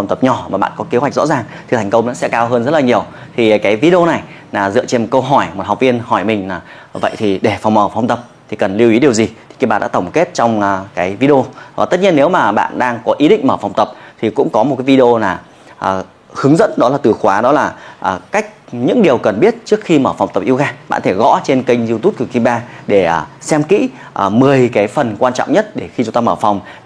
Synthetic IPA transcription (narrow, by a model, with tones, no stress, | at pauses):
fŋ͡mt̪ə˨˩p̚ɲɔ˨˩maː˨˩ɓa̰ː˧˨nkɔ˨˦ke˨˦hwa˨˩k̚zɔ̰˧˥zaː˨˩ŋt̪ʰi˨˩t̪ʰa˨˩ŋ̟kə˧wŋ͡mna̰ː˧˦sɛ̰˧˥kaː˧wɦəː˧nzə˦˥t̚laː˨ɲi˨˩əw | t̪ʰi˨˩˨kaː˨˦jvi˧ɗo˧na˨˩j | laː˨˩zɨ̰˧˨t͡ɕe˧nm̚˨˩kə˧wɦɔ˧˩jmo˨˩t̚ha˨˩wk͡p̚vi˧ənhɔ˧˩jmï˨˩ŋ̟laː˨˩ | və̰˧˨jt̪ʰi˨˩ɗe˧˩fa˨˩wŋ͡mməː˧˩fwŋ͡mt̪ə˨˩p̚t̪ʰi˨˩kə˨˩nli˧əwi˨˦ɗi˨˩əwzi˨˩t̪i˨˩ka˧˦˩ɓa̰ː˧˨ɗ̰ːt̪ə˧˩ŋ͡mke˦˥t̚t͡ɕɔ˧wŋ͡mkaː˨˦jvi˧ɗo˧aː˨˩t̪ə˦˥t̚ɲi˧ənːe˨˦wmaː˨˩ɓa̰ː˧˨nɗaː˧ŋkɔ˨˦ʔi˨˦ɗḭ̈˧˨ŋ̟məː˧˩fa˨˩wŋ͡mt̪ə˨˩p̚t̪ʰi˨˩kʊ̰˧˥ŋ͡mkɔ˨˦mo˨˩t̚kaː˨˦jvi˧ɗi˧o˧naː˨˩ | ʔəː˨˩ | hɨ˨˦əŋzə̰˧˥nɗɔ˨˦laː˨˩t̪ɨ˨˩xwaː˨˦ɗɔ˨˦laː˨˩ʔːka˦˥jk̚ɲɨ̰˧˥ŋɗi˨˩əwkə˨˩nɓi˦˥ət̚t͡ɕɨ˦˥ək̚xi˧məː˧˩fwŋ͡mt̪ə˨˩p̚ʔi˧wɣaː˧ɓa̰ː˧˨nt̪ʰe˧˩ɣɔ̰˧˥t͡ɕe˧nki˧ŋ̟zi˧t̪u˦˥p̚kɨ˨˩ki˧ɓaː˧ɗe˧˩˨sɛ˧mkḭ˧˥ | ʔmɨ˨˩əjkaː˨˦jfə˨˩nkwaː˧nt͡ɕɔ̰˧˨wŋ͡mɲə˦˥t̚ɗe˧˩xi˧t͡ɕʊ˨˦ŋ͡mt̪aː˧məː˧˩fa˨˩wŋ͡m